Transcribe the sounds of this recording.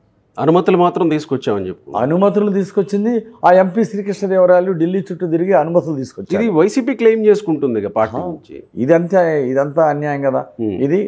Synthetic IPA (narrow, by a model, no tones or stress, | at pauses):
ɐnumɐt̪iulumaːt̪ɾɐmt̪iːsukɔt͡ʃːaːmɐnt͡ʃepːuɐ̰numɐt̪ulut̪̬iːsu̥kot͡ʃːind̪iaːe̞mpiːsɾiːkiʂʈɐd̪iːʋɐɾaːluɖilːiːt͡ʃuʈːud̪iɾiɡiɐnumɐt̪ulut̪iːsukot͡ʃːid̪iʋɐjsiːpiːkle̞jmt͡ʃeːsu̥kuɳʈund̪iɡɐɐpaːɾʈiːnuɲt͡ʃḭḭd̪ɐnt̪ɐid̪ɐnt̪aːɐnjaːjɐŋkɐd̪a̰ːid̪i